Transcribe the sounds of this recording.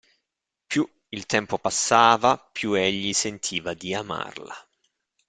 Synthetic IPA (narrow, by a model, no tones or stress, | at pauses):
pju | ilt̪ɛmpopasːaːvapjueʎːisent̪ʰiːvad̪iama̰rla̰